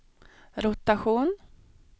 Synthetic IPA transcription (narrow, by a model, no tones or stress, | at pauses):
ɾʊt̪aɧuːn